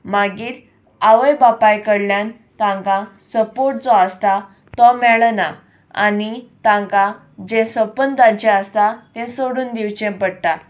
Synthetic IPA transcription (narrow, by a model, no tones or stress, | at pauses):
maɡiːɾ | aʋəjbapajkəɽljan | t̪ãŋkãsəpoɾʈ̚t͡sɔəst̪a | t̪ɔmɛɭna | a̰nit̪ãŋka | d͡ʑẽsəpənd̪ãɲt͡ɕɛəst̪at̪ɛ̃soɽuːnd̪iwt͡ɕɛ̃pəɽʈ̪a